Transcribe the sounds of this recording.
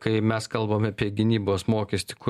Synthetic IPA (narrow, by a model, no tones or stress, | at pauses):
kɐɪmʲɛskɐlˠbɐmʲɐpʲiɛɡʲɪnʲiːboːsmoːkʲɛsʲt̪ʲɪ̥kʊ